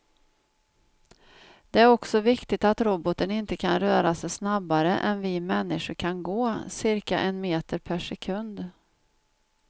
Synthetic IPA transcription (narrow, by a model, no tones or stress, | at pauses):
d̪̥ɛæɾɔksɔvɪkt̪ɪt̪at̪ɾɔbɔt̪ənɪnt̪əkʰanɾœːɾasɛjsnabːaɾəʔɛ̰nvɪmɛnːɪʂʊɾkʰanɡoːsɪɾka̰ʔɛnmeːt̪əɾpʰæʂɛkʰɵnd̪